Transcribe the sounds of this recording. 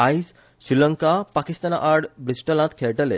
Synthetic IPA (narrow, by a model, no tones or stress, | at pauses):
ajs | ʃɾiləŋkapakist̪anaʔaɾɖbɾisʈəlãt̪kʰeʈəle